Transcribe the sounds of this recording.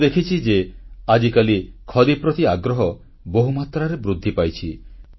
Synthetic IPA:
d̪ekʰit͡ʃʰid͡ʒead͡ʒikalikʰɔd̪ipɾɔt̪iaɡɾɔɦɔ | boɦumat̪ɾaɾebɾud̪ʱːipajt͡ʃʰi

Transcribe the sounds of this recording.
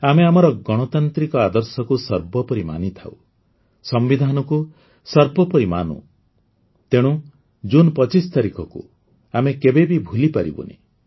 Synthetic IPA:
ameamɔɾɔɡɔɽ̃ɔt̪ant̪ɾikɔad̪ɔɾsɔkusɔɾbɔpɔɾima̰nit̪ʰaw | sɔmbid̪ʱanɔku | sɔɾbɔpɔɾima̰nṵ̃ | t̪eɽ̃u | d͡ʒunpɔt͡ʃist̪aɾikɔkṵ | amekebebibʱulipaɾḭbṵnḛ

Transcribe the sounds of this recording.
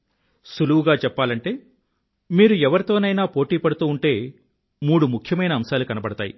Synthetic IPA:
suluʋuɡaːt͡ʃɛpːaːlɐɳʈe̞ː | miːɾuɛʋɐɾit̪o̞ːnɐjnaːpo̞ːʈiːpɐɽut̪uːuɳʈe̞ː | muːɽumukʰjɐmɐjnɐːmsaːlukɐnɐpɐɽɐt̪aːji

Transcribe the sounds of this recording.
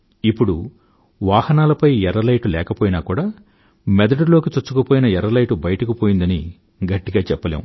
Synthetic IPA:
ipːuɽu | ʋaːhɐnaːlɐpɐjɛɾɐlɐjʈulɛːkɐpoːjinaːkuːɽaː | mɛd̪ɐʈulo̞ːkit͡ʃot͡ʃːukupoːjinɐɛɾɐlɐjʈubɐjɐʈɐkipoːjind̪ɐni | ɡɐʈːiɡaːt͡ʃɛpːɐlḛːwu

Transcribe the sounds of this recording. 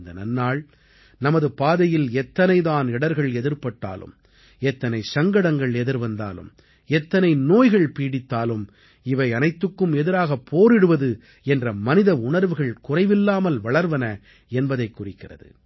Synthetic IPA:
nd̪ɐnɐ̰nːaːɭ | nɐmɐðɯpaːðɐjɪlɛt̪ːɐnɐɪðaːnɪɽɐɾɣɐɭɛðɪɾpɐʈːa̰ːlɯ̰m | ɛt̪ːɐnɐɪsɐŋɡɐɽɐŋɡɐɭɛðɪɾʋɐnd̪a̰ːlɯ̰m | ɛt̪ːɐnɐɪnoːjɣɐɭpiːɽɪt̪ːaːlɯm | ɪʋɐɪɐnɐɪt̪ːɯkːɯmɛðɪɾaːɣɐpʰːoːɾɪɽɯʋɐðɯ | ɛndrɐmɐnɪðɐʊɳɐɾʋɯɣɐɭkʊrɐɪʋɪlːaːmɐlʋɐɭɐɾʋɐnɐ | ɛnbɐðɐɪkːʊrɪkːɪrɐ̰ðɯ̰

